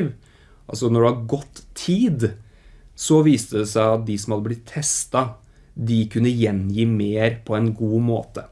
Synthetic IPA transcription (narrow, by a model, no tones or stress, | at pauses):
ʋ | ʔɑlsɔnɔɖɛhɑɾɡɔt̪ːʰiːd̪ | sɔʋiːst̪əd̪ɛsæɪɑt̪̚d̪ɪsɔmhɑd̪ːəblɪt̪ʰːɛst̪ɑ | d̪ɪkʉnːəjɛnjiːmeːɾpʰɔɛnɡuːmo̰ːt̪ə